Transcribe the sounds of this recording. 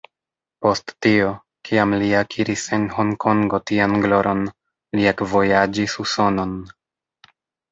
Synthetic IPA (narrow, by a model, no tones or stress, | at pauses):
po̞stːio̞ | kʰiamliakʰiɾise̞nho̞ŋkʰo̞ŋɡo̞tianɡlo̞ɾʔo̞n | liakvo̞jad͡ʒisuso̞no̞n